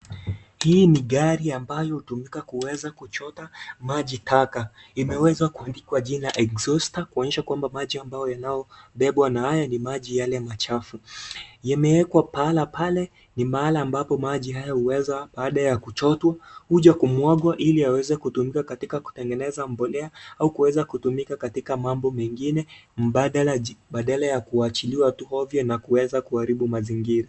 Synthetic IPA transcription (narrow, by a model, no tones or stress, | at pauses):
hiːniɠaɾiambajɔhutumikakuwɛzakut͡ʃɔtamaʄitʰakaimɛwɛzakuandikwaʄinaʔɛkzɔstakuɔnɛʃakwambamaʄiambajɔjanajɔɓɛɓwanahajanimaʄijalɛmat͡ʃafujamɛwɛkwapalapalɛ | nimaalaːmbapɔmaʄiɦajahuwɛzaɓaːɗajakut͡ʃɔtwahuʄakumwɔɠwaʔiliawɛzɛkutumikakatikaku̥tɛŋɡɛnɛzambɔlɛaaukuwɛzakutumikakatikamambɔmɛŋɡinɛm̩ɓaɗalaɓaɗalajakuat͡ʃiliwatuhɔvjɔnakuwɛzakuaɾiɓumaziŋɡiɾa